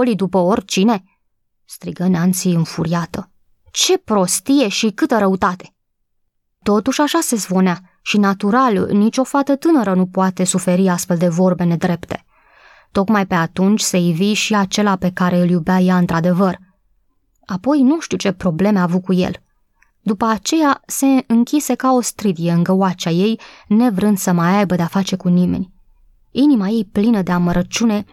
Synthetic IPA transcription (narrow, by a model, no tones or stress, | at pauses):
olid̪upəo̞rʲt͡ʃine̞ | st̪ɾiɡəneant̪sijɨnfuɾiat̪ə | t͡ʃe̞pɾo̞st̪ije̞ʃikɨt̪əɾəut̪at̪e̞̥ | t̪o̞t̪uʃʲaʃase̞zbo̞nea | ʃinat̪uɾalnit͡ʃʲo̞fat̪ət̪ɨnəɾənupoat̪e̞sufe̞ɾiast̪fe̞ld̪e̞vo̞rbe̞ne̞d̪ɾe̞pt̪e̞̥̰ | t̪o̞kmajpe̞at̪unt͡ʃʲse̞jviʃiat͡ʃe̞lape̞kaɾe̞ɨljubajaɨnt̪ɾad̪e̞vər | apo̞jnuʃt̪iwt͡ʃe̞pɾo̞ble̞meavukujḛl | d̪upəat͡ʃe̞jase̞ɨŋkʲise̞kao̞st̪ɾid̪ije̞ɨŋɡəwat͡ʃaje̞jne̞vɾɨnd̪̥səmajajbəd̪e̞afat͡ʃe̞kunimḛnʲ | inimaje̞jplinəd̪e̞aməɾʔət͡ʃune̞